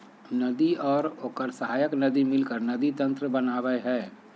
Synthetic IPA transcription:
nəd̪iɔːɾoːkəɾsəɦaːjəknəd̪imɪlkəɾnəd̪it̪ə̃nt̪ɾəbənaːʋəɦɛː

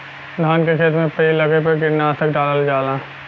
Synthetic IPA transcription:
d̪ʱaːnkekʰeːt̪ɾmẽpɐilɐɡepəɡɪɾnaːsək̚ɖaːləld͡ʒaːlãː

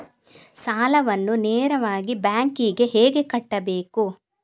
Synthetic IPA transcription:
saːlɐʋɐnːuneːɾɐʋaːɡibaːŋkiɡe̞ɦeːɡe̞kɐʈːɐbe̞ːku

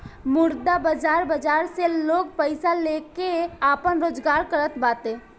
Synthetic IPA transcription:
mʊɾd̪abəd͡ʒaːɾbəd͡ʒaːɾseloːɡ̚pəɪsaleːkeaːpənɾoːd͡ʒɡaːɾkəɾət̪baːt̪eː

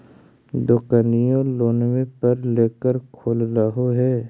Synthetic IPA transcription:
d̪okənijõloːnwepəɾleːkəɾkʰoːlɾəɦoɦɛː

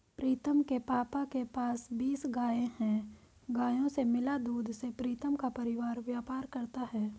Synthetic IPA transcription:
pɾiːt̪əmkepaːpakepaːsbiːsɡaːẽhɛ̃ | ɡaːjõsemɪlad̪uːd̪ʱsepɾiːt̪əmkapɐɾɪʋaːɾʋjaːpaːɾkɐɾt̪aɦɛː

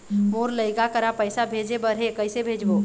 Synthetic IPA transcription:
moːɾləɪkakəɾapəɪsabʱeːd͡ʒebəɾɦekəɪsebʱeːd͡ʒboː

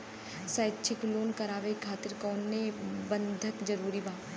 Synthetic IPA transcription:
səːjt͡ʃʰɪkloːnkɐɾaːʋekʰaːt̪ɪɾkɔːnːebə̃nd̪ʱəkd͡ʒɐɾuːɾibaː

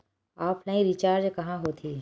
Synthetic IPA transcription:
aːpnaːĩɾit͡ʃaːɾd͡ʒkɐɦãɦoːt̪ʰiː

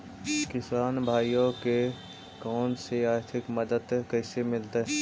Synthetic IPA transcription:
kɪsaːnbʱaːijõke | kɔːnseaːɾt̪ʰɪkmɐd̪əd̪kɛːsemɪlt̪aɦɛ

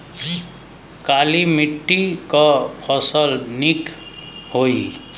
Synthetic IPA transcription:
kalimiʈːikʌpʰʌsʌlnik | ɦoj

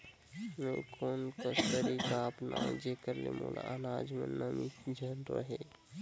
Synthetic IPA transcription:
mẽkʰoːnkast̪əɾikaəpnad͡ʒekəɾlemo̰la̰ʔanaːd͡ʒmẽnːəmid͡ʒʱənɾə̰ɦe

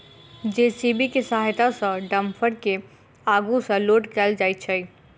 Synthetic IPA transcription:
d͡ʒesibikesaɦjt̪asə̃ɖəmpʰəɽke | aɡusə̃loʈkɛld͡ʒaɪjt̪̚t͡ʃʰəj

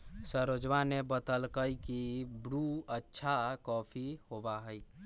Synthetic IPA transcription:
səɾod͡ʒʋanebət̪əlkəjkibɾuətːʃʰakɔpʰihobaɦəj

